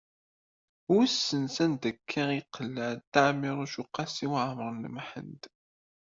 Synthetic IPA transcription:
wisːənsænd̪əkʰːiʁiqʰːəlːæt̪ːaʕmiɾˤuʃuqːɑsiwʕməɾˤnəmħə̰nd̪

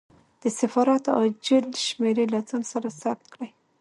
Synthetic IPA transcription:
d̪̥əsafɑɾat̪ad͡ʒəlʃmeɾelad͡zɑnsaɾasap̚t̪kɽaj

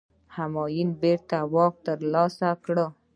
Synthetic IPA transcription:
hamɔːjinbeɾt̪awɔːk̚t̪əɾlɔsakɽə

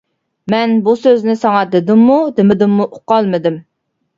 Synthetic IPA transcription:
mɛnbusøznɪsɑŋɑd̪ɪd̪ɪmːud̪ɪmɪd̪ɪmːuʔʊqːɑlˠmɨd̪ɪm

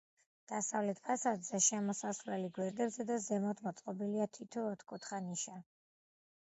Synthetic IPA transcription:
d̪̥asavlɛt̪ʰpʰasad̪zɛʃɛmɔsasɾɛliɡwɛɾd̪ɛbzɛd̪azɛmɔt̪ʰmɔt̪sʼqʼɔbiliat̪ʰit̪ʰɔːt̪ʰkʰut̪ʰχaniʃa

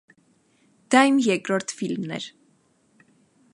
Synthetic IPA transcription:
d̪̥ɑjmjɛkɾɔɾt̪filmnɛ̰ɾ

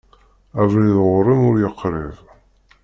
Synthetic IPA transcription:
ævliðʁʊɾˤimʊɾjəqːɾɪð

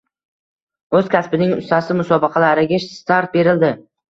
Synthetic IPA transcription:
ɵz̥kʲaspɪnɪŋʊ̰st̪ʰasɪmʊsɒbɪqʰɑlaɾɪɡʲaʃst̪aɾt̪̚be̞ɾɪld̪ɪ

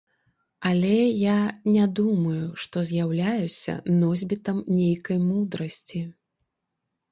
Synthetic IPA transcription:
ɐlʲɛjanʲad̪umɐjuʂt̪ɔzʲjawlʲajusʲɐ̰nɔzʲbʲit̪ɐmnʲejkɐjmud̪ɾɐsʲt͡sʲi

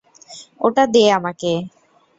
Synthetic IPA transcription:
oʈad̪eeamake

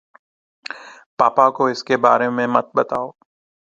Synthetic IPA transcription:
paːpakoɪskebaːɾemẽmɐt̪̚bɐt̪aːoː

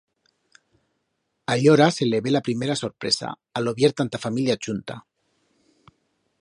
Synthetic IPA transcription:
aʎoɾaseleβelapɾimeɾasoɾpɾesa̰ | aloβjeɾt̪ant̪afamiljat͡ʃunt̪a̰

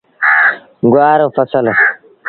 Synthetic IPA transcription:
ɡwaːɾofɐsɐlo

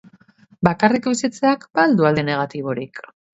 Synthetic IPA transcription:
bakarikojsit͡seakbald̪uald̪eneɣ̞at̪iβ̞o̞ɾik

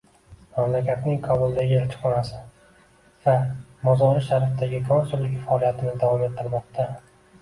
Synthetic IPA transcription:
mamlakʲʰat̪nɪŋqʰɒbʊlˠd̪aɡʲɪelt͡ʃʰɪ̥χɒnasɪ | vamɒzɒɾɪʃaɾafɪd̪aɡʲɪkʰɒnsʊlːɪkʲfaɒlˠijat̪ʰɪnɪd̪avɒmet̪̚qʰɨlˠmɒq̚t̪ʰa

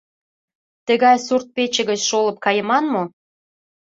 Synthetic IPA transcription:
t̪ə̆ɣɑjsurt̪̚pet͡ɕə̆ɣət͡ɕʃoləp̚kɑjə̆mɑnmo

